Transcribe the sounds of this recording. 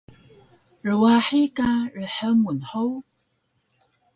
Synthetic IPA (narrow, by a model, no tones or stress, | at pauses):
rəwaħikaɻəħəŋunħow